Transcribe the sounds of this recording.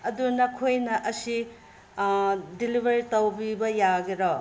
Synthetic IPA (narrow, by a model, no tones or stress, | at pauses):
ɐdunɐkʰojnɐʔɐsi | dilibʱɐɾitɐwbibɐjaɡeɾɔ